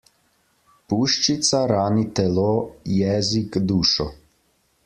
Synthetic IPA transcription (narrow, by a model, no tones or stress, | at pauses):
puːʃt͡ʃit̪saɾaːnit̪ɛloːjɛːzikd̪uːʃɔ